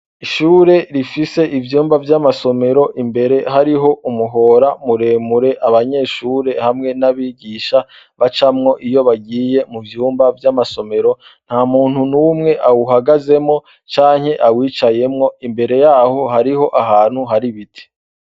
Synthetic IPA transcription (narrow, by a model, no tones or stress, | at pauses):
iʃuːɾe̞ɾifise̞ʔivjuːmbavjamaso̞me̞ɾo̞ʔimbe̞ɾe̞ɦaɾiɦo̞ʔumuɦo̞ːɾamuɾe̞ːmuɾe̞ʔaβaɲe̞ːʃuːɾe̞hamŋe̞naβiːɡiːʃa | βat͡ʃamŋo̞ʔijoβaɡiːje̞muvjuːmbavjamaso̞me̞ɾo̞ | n̥haːmuːnhunumŋe̞ʔawuɦaɡaze̞mŋo̞ | t͡ʃaːŋhe̞ʔawiːt͡ʃaje̞mŋo̞imbe̞ɾe̞jahohaɾiɦo̞ʔaɦaːn̥huɦaɾiβitʰi̥